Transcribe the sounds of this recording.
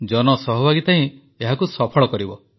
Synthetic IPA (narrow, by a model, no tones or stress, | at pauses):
d͡ʒɔnɔsɔɦɔbʱaɡit̪aĩ | eɦakusɔpʰɔɭɔkɔɾibɔ